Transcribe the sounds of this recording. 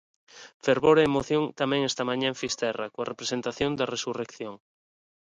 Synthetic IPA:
feɾβoɾeːmoθjoŋt̪amɛ̃ŋest̪amãɲãfist̪ɛrakoarepɾesent̪aθjond̪ɐresurekθjoŋ

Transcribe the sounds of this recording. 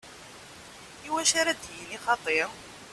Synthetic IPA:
iwæʃaɾæd̪jiniχɑt̪ˤeɾ

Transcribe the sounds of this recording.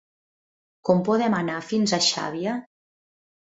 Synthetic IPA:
kɔmpɔðɛmanafinzaʃa̰βia

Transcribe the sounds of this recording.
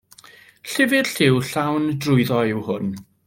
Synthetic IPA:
ɬɪvɪd̥ɬɪwɬawndrʊɨðɔɪwhʊn

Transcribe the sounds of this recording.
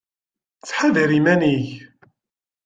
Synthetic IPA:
t͡sːħaðɾimæniç

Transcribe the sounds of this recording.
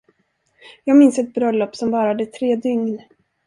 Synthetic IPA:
jɑːɡmɪnsɛt̪̚bɾœlːɔpːsɔmvɑːɾad̪ət̪ʰɾeːd̪ʏŋn

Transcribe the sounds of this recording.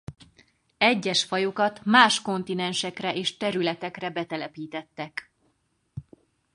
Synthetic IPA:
ɛɟːɛʃfɒjokɒt̪maːʃko̞nt̪inɛnʃɛkrɛʔeːʃt̪ɛɾylɛt̪ɛkrɛbɛt̪ɛlɛpiːt̪ɛt̪ːɛk

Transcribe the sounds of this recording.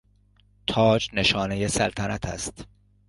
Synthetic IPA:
t̪ʰɒːd͡ʒne̞ʃɒːnejesælt̪ʰænæt̪ʰæ̰st̪

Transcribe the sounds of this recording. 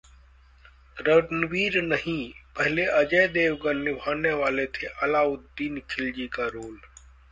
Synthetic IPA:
ɾənʋiːɾnəɦĩːpəɦɪleʔəd͡ʒəːd̪eːʋɡəɾnɪbʱaːneʋaːleːt̪ʰeːʔəlaːʊt̪d̪iːnkʰɪld͡ʒiːkaːɾoːl

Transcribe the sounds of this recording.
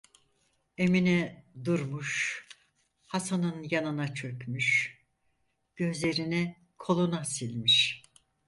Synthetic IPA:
e̞minɛd̪uɾmuʃ | hasanɯnjanɯnat͡ʃʰø̞pmyʃ | ɟ̥ø̞zlʲe̞ɾinɛ | kʰo̞lˠunasilʲmiʃ

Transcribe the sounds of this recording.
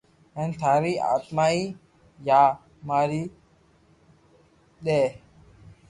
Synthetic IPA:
ent̪ʰaːɾiːʔa̰ːt̪maːiː | jaː | maːɾiː | ɗeː

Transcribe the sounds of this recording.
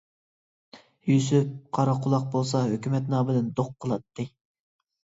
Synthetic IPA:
jys̬yp̚qʰɑɾɑqʰʊlˠɑq̚bolˠsɑhøkʲymɛt̪nɑːbɪd̪ɪnd̪oqʰːəlˠɑt̪ːɨ

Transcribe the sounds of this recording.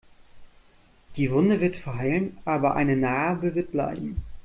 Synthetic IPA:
d̥iːvʊndəvɪɐtfaɪlənʔaːbɐʔa̰ɪnənaːbəvɪɐt̚b̥la̰ɪbm̩

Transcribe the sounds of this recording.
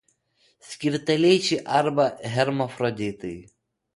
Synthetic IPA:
sʲkʲɪɾt̪ɐlʲɛjt͡ʃɪʔɐɾbɐɦʲɛɾmɔfɾɔd̪ʲɪt̪ɐj

